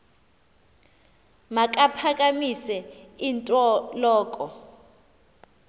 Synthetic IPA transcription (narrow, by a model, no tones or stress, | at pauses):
makʼapʰakʼamisɛintʼɔlɔːkʼɔ